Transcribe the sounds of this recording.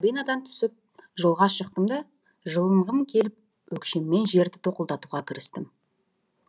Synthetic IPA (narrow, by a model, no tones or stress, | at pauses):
bijnɑd̪ɑnt̪ʰʏ̥sɪp̚ʒəlˠʁɑʃəq̚t̪əmd̪ɑ | ʒəlˠəɴʁəmkʲʰe̞lɪp̚ | wɵkʃe̞mːe̞nʒe̞ɾd̪ɪt̪ʰo̞qəlˠd̪ɑt̪uʁɑkʲʰɪɾɪst̪ɪm